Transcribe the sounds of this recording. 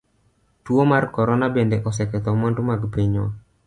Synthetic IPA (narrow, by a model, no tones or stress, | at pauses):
tuomarkɔɾɔnabendeʔɔsɛkɛt̪ɔmɔndumaɡpeɲɔ̰